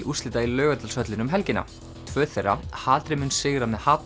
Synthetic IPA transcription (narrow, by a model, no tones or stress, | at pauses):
ust̪ɪt̪ailœːɣʏt̪alsœt̪lɪnʏmɦɛlcɪna̰ | t̪ʰvœːθejra̰haːlt̪ɾɪmʏnsɪɣɾamɛðhaːt̪